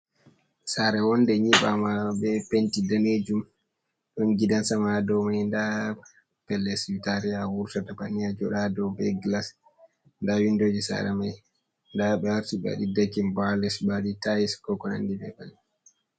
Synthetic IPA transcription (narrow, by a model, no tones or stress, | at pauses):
saɾɛwɔndɛɲiɓamaɓɛpentidaned͡ʒum | ɗɔnɡidansamadɔwmajnda | pɛlːɛswitaɾiawuɾtatabanijad͡ʒɔɗadɔwbɛɡlas | ndawindoːd͡ʒisa̰ɾɛmaj | ndaɓɛwaɾtiɓa̰ɗidakimbalɛsbaɗitajiskɔkɔna̰ndibɛban